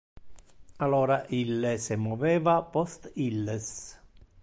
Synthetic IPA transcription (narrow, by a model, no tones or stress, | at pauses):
aloːɾaʔilːesɪmɔvɛːvapɔst̪ilːes